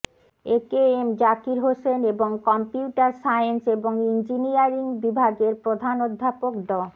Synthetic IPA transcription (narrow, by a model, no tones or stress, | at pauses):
ekeemd͡ʑakiɾɦoʃeneboŋkɔmpiuʈaɾsajenseboŋind͡ʑinijaɾiŋbibʱaɡeɾpɾod̪ʱanod̪ʱːapokd̪ɔ